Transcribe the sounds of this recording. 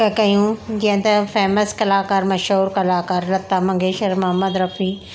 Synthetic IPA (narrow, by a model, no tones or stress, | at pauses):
ɐkɐjũd͡ʑiə̃t̪ɐfeːməskɐlaːkaːɾmɐʃɦuːɾkɐlaːkaːɾlɐt̪ːamɐ̃ŋɡeːʃɐɾmɐɦɐmːəd̪ɾɐfiː